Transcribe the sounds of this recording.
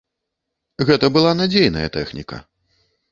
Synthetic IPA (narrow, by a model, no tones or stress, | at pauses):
ɣɛt̪ɐbɨlˠanad͡zʲejnɐ̰jɐ̰t̪ɛxnʲikɐ̰